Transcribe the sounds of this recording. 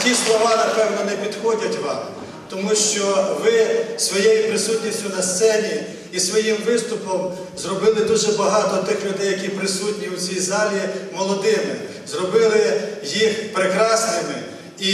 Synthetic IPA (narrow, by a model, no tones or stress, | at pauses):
tʲislˠɔʋɑnɐpɛwnɔnɛpʲid̪xɔdʲɐtʲʋɑm | t̪ɔmuʃt͡ʃɔʋɪsʋɔjejipɾɪsutʲnʲisʲtʲʊnɐst̪sɛnʲiː | sʋɔjimʋɪst̪ʊpɔm | zrɔbɪlˠɪd̪uʒɛbɐɦɑt̪ɔt̪ɪxlʲʊd̪ɛjːɐkʲipɾɪsutʲnʲiwt͡sʲijzɑlʲimɔlˠɔd̪ɪmɪ̰ | zrɔbɪlˠɪjixpɾɪkɾɑsnɪmɪ | i